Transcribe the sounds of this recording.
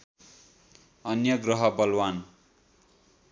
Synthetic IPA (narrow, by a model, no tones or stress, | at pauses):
ʌnjʌɡrʌɦʌbʌlwan